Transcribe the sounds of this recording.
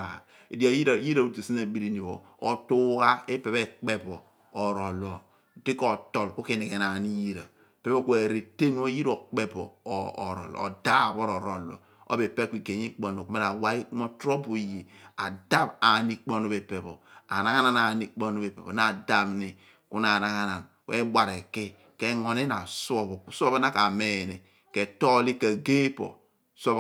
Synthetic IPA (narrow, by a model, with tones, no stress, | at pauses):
a˨ | e˨di˦a˨ji˦ɾa˨ji˦ɾa˨u˦ti˨si˦a˨bi˦ɾi˨ni˨bo̰˨ | o˨tu˦ɣa˦e˦pe˨βe˦k͡pe˦bo˨ | o˨ɾo˨lo˨ | ti˦ko˦˨to˨lku˦ke˦˨ne˨ɣe˨na˨ni˦ji˦ɾa˨ | pe˦bo˦kʷe˨ɾe˨te˦ŋ˦o˦ji˦ɾo˨k͡pe˦bo˨ɾo̰˨l̰o̰˨da˦˨bo˦ɾo˨ɾo˨lo̰˨ | o̰˦be˨pe˦kʷi˨ke˨ɲi˦k͡po˨n˨o˨ku˦me˦ɾa˨wa˦i˦ku˦mo˦tɾo˦bu˨ji˨a̰˨da˦ba˨ni˦k͡po˦no˦be˨pe˨bo̰˨a̰˨na˦ŋa˦na˨na˨ni˦k͡po˦no˦be˨pe˨o˨na˨da˨βni˨ | ku˦na˨na˦ŋa˦na˨n | kwḛ˦ɡ͡ba˨ɾe˨ki˦ | ke˦ŋo˨ne˦na˨so˦βo˨˦so˦βa˦na˦ka˨me˨ne˨ | ke˨to˦li˦ka˨ɡe˦po̰˨ | so˦